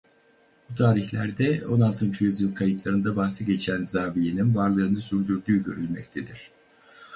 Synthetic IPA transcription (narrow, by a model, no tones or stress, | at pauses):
but̪ʰaːɾiçlʲæɾd̪ɛo̞nalˠt̪ʰɯnt͡ʃʰyjyzjɯlˠkʰajɯt̪lˠaɾɯnd̪abaxsɯɟe̞t͡ʃʰænzaːvijininvaɾlˠɯːnɯsyɾd̪yɾd̪yːɟø̞ɾylʲmɛc̚t̪ʰed̪iɾ̥